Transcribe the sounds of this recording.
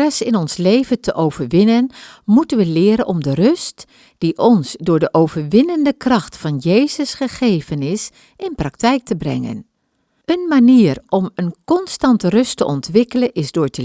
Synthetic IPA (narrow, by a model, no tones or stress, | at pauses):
ɛsɪnɔnslejvətʰəʔowv̥əɹʋɪnənmutənʋəlɪːɾənɔmdərʏst | d̥iʔɔnsdʊːɹdəʔowvəɹʋɪnəndəkrɑxtfɑnjejzəsχəχejvənɪs | ɪnprɑktɛjk̚təbrɛ̰ŋə̰n | ənmaniːərɔmənkɔnstɑntrʏstəʔɔntʋɪkələnʔɪsdʊːɹtə